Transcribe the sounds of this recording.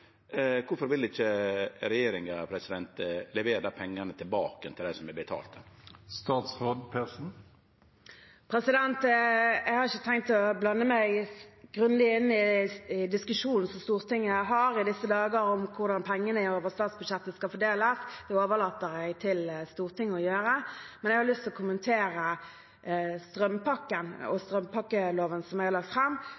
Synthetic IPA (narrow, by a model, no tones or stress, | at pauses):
kʰʊɾfɔɾʋɪlɪçəɾɛjeːɾɪŋɑpʰɾɛsɪd̪ɛnt̪lɛʋeːɾəpʰɛŋːənət̪ʰɪlbɑːkənt̪ʰɪld̪æsɔmɛbət̪ʰɑ̰ːlt̪əst̪ɑːt̪sʁoːd̪pʰesn̩ | pʰɾɛsɪd̪ɛnt̪ɛɡhɑɾɪçːət̪ʰɛŋkt̪ɔblɑnːəmæɪɡ̥ʁʉnd̪ɪɪnːɪɪd̪ɪskʉʂuːnn̩sɔmst̪uːʁt̪ɪŋːəɦɑʁɪd̪ɪsːəd̪ɑːɡəɾɔmkʰʊʁd̪ɑnpʰɛŋːənəɪoːʋəʁst̪ɑːt̪sbʉd̪ʂɛt̪ːəskɑfɔd̪eːləsd̪̥ɛoːʋəʁlɑːt̪əɾæɡt̪ʰɪlst̪uːʁt̪ʰɪŋːəɔjøːɾəmɛnjɛɡhɑɾlʏst̪lɔkʰʊmːənt̪ʰeːɾə | st̪ʁœmpɑkːənɔ̰st̪ʁœmpɑkːəloːʋənsɔmæɪhɑlɑk̚t̪fʁɛmː